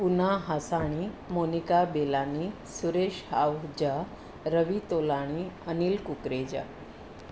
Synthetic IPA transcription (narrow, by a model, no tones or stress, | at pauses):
punaɦasaɽ̃imonikabelani | suɾeɕhawd͡ʑa | ɾəʋit̪olaɽ̃iəniːlkukɾed͡ʑa̰